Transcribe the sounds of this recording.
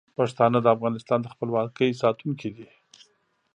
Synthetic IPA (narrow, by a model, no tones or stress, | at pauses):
pɑʂt̪ɑnəd̪əafɣɑnɪst̪ɑnd̪əxpəlwɑkəjsɑt̪unkʰid̪i